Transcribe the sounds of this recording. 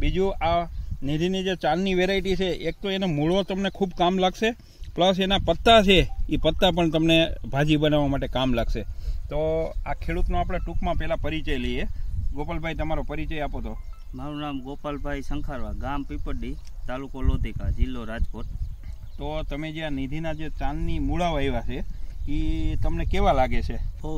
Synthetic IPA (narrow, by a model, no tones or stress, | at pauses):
bid͡ʒuaned̪ʱinid͡ʒet͡ʃanːiʋeɾaiʈit͡ʃʰeʔek̚t̪oenomuɭot̪əmnekʰubkamlaɡʃe | pləs̬enapət̪ːat͡ʃʰeipət̪ːapəɳt̪əmnebʱad͡ʒibənaʋamaʈekamlaɡʃet̪oakʰeɽut̪noapɽ̃eʈukmãpɛɦlapəɾit͡ʃəlieɡopalbʱajt̪əmaɾopəɾit͡ʃəjapot̪ʰo | maɾunamɡopalbʱaisəŋkʰaɾʋaɡampipəɖi | t̪alukolod̪ʱikad͡ʒilːoɾad͡ʒkoʈ | t̪ot̪əmed͡ʒeanid̪ʱinad͡ʒet͡ʃãnːimuɭaʋaiʋat͡ʃʰeit̪əmnekeʋalaɡet͡ʃʰe